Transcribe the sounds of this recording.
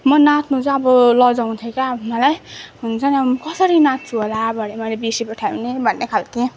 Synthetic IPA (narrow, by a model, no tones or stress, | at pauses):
mʌnat̪ʰnud͡zaʌbʌlʌd͡zaw̃nt̪ʰʌkabmʌlajɦunt͡sʰʌniʌbʌmʌkʌsʌɾinat̪̚ʰt͡sʰuɦolabʱʌɽemʌjlebisipʌʈʰawnebʱʌnːekʰalt̪ʰĩ